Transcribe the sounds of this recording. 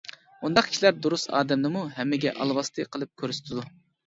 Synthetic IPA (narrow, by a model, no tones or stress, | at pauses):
und̪ɑqkʲʰi̥ʃlæɾd̪uɾusɑ̰ːd̪ɛmnɨmuɦɛmːɪɡʲɛ̰ʔɑ̰lˠwɑst̪ʰɨqʰəlˠɨp̚kʲʰøɾsɪ̥t̪ʰɪd̪u